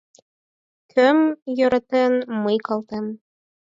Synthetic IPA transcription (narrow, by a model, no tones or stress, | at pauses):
kʰɵmjŏɾɑ̆t̪ɤnmɤjqɑlˠt̪ɤm